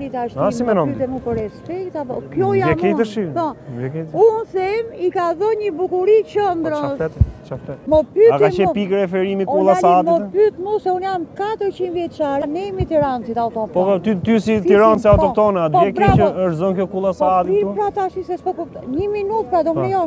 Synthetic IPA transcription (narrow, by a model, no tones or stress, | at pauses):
ɾit̪aʃt̪aimɛnɔ̃yt̪ɛmupɔɾɛspɛkt̪apɔkjɔjaɛmkɛt̪əʃipɔvɛkɛt̪unsɛmikaðɔɲəbukuɾit͡ʃənd̪ɾʃɛt̪t͡ʃaft̪ɛmɔpyak̪amɛ̃pikɾɛfɛɾimikulˠaaad̪mɔpyt̪nusɛunjamkat̪əɾt͡ʃinvjɛt͡ʃaɾanɛmit̪iɾansit̪awt̪ɔtpɔt̪t̪ysiiɾɔnsiawt̪ɔt̪ɔnad̪jɛkɛəʃzɔnkjɔkulˠasad̪iipɾat̪aʃisɛspɔkɔɲiminut̪pɾad̪ɔɛjɔ